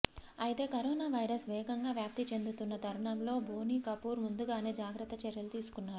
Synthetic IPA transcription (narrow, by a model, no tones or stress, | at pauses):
ɐjit̪e̞ːkɐɾoːnaːʋɐjɾɐsʋɛːɡɐŋɡaːʋjaːp̚t̪it͡ʃe̞nd̪ut̪unːɐt̪ɐɾɐɳɐmlo̞ːbʱoːniːkɐpuːɾmund̪uɡaːne̞ːd͡ʒaːɡɾɐt̪ːɐt͡ʃɛɾjɐlut̪iːsu̥kunːaːɾu